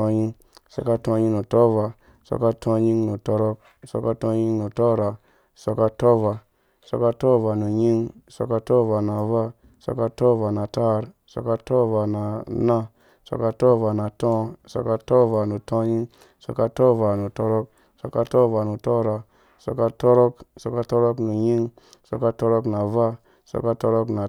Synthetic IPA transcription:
o˧ɲi˧ŋ | so̰˧ka˧tõ˧ɲi˧no˨tɔ˦va˧ | so̰˧ka˧tõ˧ɲi˧ŋnu˨tɔ˧ɾɔ˧k̚so˧ka˧tõ˧ɲi˧ŋnu˨tɔ˦ɾa˧˨ | so˧ka˧tɔ˦va˧ | so˧ka˧to˦va˧nu˨ɲi˦ŋ˨so̰˧ka˧tɔ˦va˧na˨va˦ | so̰˧ka˧tɔ˦va˧na˨ta˦˧ɾ | so̰˧ka˧to˦va˧na˨na˦ | so̰˨ka˧to˦va˨na˨tɔ̃˦so̰˧˨ka˧to˦va˨nu˨tõ˦ɲi˦ŋ | so˧ka˧to˦va˨nu˨to˧ɾo˦k̚ | so̰˧ka˧to˦va˨nu˨to˦ɾa˨ | so̰˧ka˧to˦ɾo˦kso˨ka˧to˦ɾo˦knu˨ɲi˦ŋ | so˧ka˧to˧ɾo˦kna˨va˦ | so̰˧ka˧to˧ɾo˦kna˨

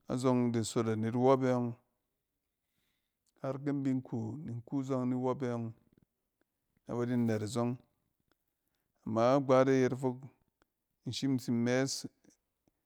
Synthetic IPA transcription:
a̰˨zo˧ŋde˨so˨ta˨ni˨ɾwo˦be˦ŋ | ha˦ɾk̬e˦m˦bi˦ŋ˦ku˨ni˨ŋ˦ku˦zo˦ŋni˦wo˦be˦jɔ˧ŋ | na̰˨ba˨di˦ne˨ɾa˨zo˦ŋ | a˨mːa˨˦ɡ͡ba˦de˦je˧ɾfo˦k̚ | n̩˨ʃi˦m˦si˦m˦me˦s

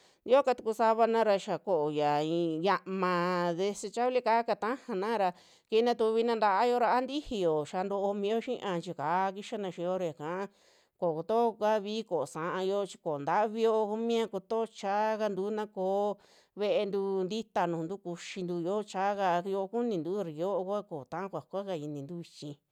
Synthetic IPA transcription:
nd̪i˧˦o˦ka˧t̪u˧ku˧sa˧βa˧nã˦ɾa˧ʃa˨ko˨ʔo˨ja˨ĩ˧ja˧ʔmã˧ðe˧se˧t͡ʃa˦βli˦ka˦ka˧t̪ã˦hã˧nã˦ɾa˧ | ki˧nã˧t̪u˧βi˧nã˧nd̪a˧ʔa˦jo˧ɾa˧a˦nd̪i˦hi˧jo˨ʃa˧nd̪o˧o˧mĩ˧jo˦ʃĩ˦ʔã˧t͡ʃi˧ka˨˦˧ki˦ʃa˦nã˧ʃĩ˧o˦ɾa˧ja˨kã˨a˦ | ko˨ko˧t̪o˦˧ka˦βi˦ko˨sã˨˧ʔã˧jo˦˧t͡ʃi̥˧ko˨nd̪a˦βi˧jo˧ku˧mĩ˦ã˧ko˧t̪o˦˧t͡ʃa˦ka˧nd̪uː˨˦nã˦koː˧˦ | βe˦˧ʔe˧nd̪u˧nd̪i˦t̪a˧nũː˨nd̪u˦ku˧ʃi˧nd̪u˧jo˦t͡ʃa˦ka˧jo˧ku˦nĩ˧nd̪u˦˧ɾi˨jo˦ʔo˧kʷa˦ko˨t̪ã˦ã˦kʷa˨kʷa˦ka˧i˧nĩ˧nd̪u˦βi˧t͡ʃĩ˧

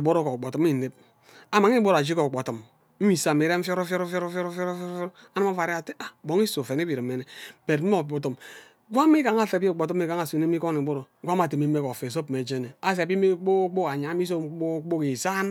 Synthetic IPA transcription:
bo˦ɾo˦ko˨k͡po˨tu˦m˦i˦˨ne˦p̚ | a˨ma˨ŋ˦i˦bo˦ɾa˨d͡ʒi˦ko˨k͡po˨tu˨m | m̩˦mi˨sa˨me˨ɾe˦ɱ̩˦fjo˦ɾo˦fjo˦ɾo˦fjo˦ɾo˦fjo˦ɾo˦fjɾo˦fo˦ɾfjo˦ɾa˦nɨ˦ma˦va˨ɾi˦a˨te˦a˨bo˨ŋi˦so˨fe˨ne˦bi˨ɾi˨mːe˦ne˨be˨tm̩˦o˨bo˨tu˨m | ɡʷa˦m˦i˦ka˨ŋ˦a˦fe˨˦i˦o˨k͡po˨tu˦m˦i˦ka˨ŋa˨sne˦i˦ko˦ni˨bo˦ɾo˨˦ɡʷa˦m˦a˨te˨mi˦me˦ko˨fe˨s̬o˦pme˨d͡ʒe˦ne˨a˦s̬e˨bi˦me˦k͡po˦k͡po˦ka˨ɲa˨˦mi˦s̬o˦o˦k͡po˦ke˨sa˦n

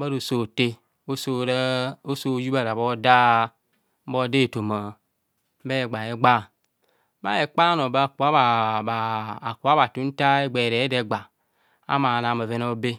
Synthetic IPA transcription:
ba˦ɾo˨so˨te˦ | o˦so˦ɾo˦so˦˨˦ju˦ba˦˨ɾa˨bo˦da˦ | m̩˦bo˦de˦˨to˨ma˨ | m̩˦be˦e˨ɡ͡ba˨e˨˦ɡ͡ba˦˨˦ | ma̰˦je˨k͡pa˦no˨ba˦˨ku˨a˦ba˨baː˨ku˨a˦ba˨tu˨˦n̩˦ta˦e˦ɡ͡be˨ɾe˨˦de˨ɡ͡ba˨ | a̰˦ma˨na˨ma˨ve˨no˦be˦

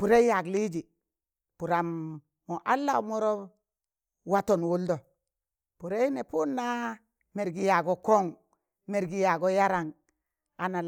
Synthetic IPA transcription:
pu˨ɾe˦ja˨ɡli˦d͡ʒi˨ | pu˨ɾa˨mː | o˨ʔa˦lːa˨˦mo˦ɾo˦ | wa˦to˨nwu˦ldo˨ | pu˨ɾe˦i˦ne˨pu˦nːa˦ | me˨ɾɡi˨ja˨ɡo˨ko˦ŋ | me˨ɾɡi˨ja˨ɡo˦ja˦ɾa˨ŋ | a˨na˨l

